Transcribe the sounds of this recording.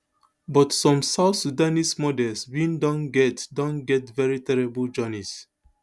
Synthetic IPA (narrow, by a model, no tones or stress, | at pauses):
bɔtsɔ̃msaʊθsudanismɔdɛlswĩndɔ̃nɡɛtdɔ̃nɡɛtvɛɹitʰɛɹibəld͡ʒɔnis